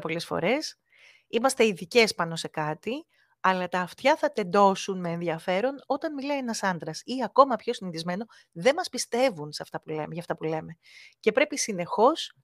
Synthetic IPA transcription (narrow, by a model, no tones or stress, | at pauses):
po̞le̞sfo̞̰ɾe̞s | imɐst̪e̞iðice̞spɐno̞se̞kɐt̪i | ɐlɐt̪ɐːft̪çɐθɐt̪e̞nd̪o̞sunme̞ːnðiɐfe̞ɾo̞no̞t̪ɐnmilɐienɐsɐnd̪ɾɐsiɐko̞mɐpço̞sinit̪izme̞no̞ | ðe̞mɐspist̪e̞vunsɐft̪ɐpulḛmʝɐft̪ɐpule̞me̞ | ce̞pɾe̞pisine̞xo̞s